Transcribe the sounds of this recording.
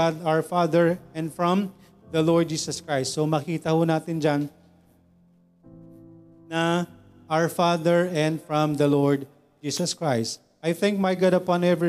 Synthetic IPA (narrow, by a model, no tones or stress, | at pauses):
ad̪awəfaðɛɹɛ̃nd̪fɹɔ̃m | d̪ɐlɔɹd̪̚d͡ʒiːsɐskɹajst̪somɐkiːt̪ɐhʊnaːt̪ɪnd͡ʒan | nɐ | ʔawəɹfaðɛɹɛ̃nd̪fɹɔ̃md̪ɐlɔɹd̪ | d͡ʒiːsɐskɹajst̪ | ʔajθɛ̃ŋk̚majɡad̪ɐpãnɛvɹi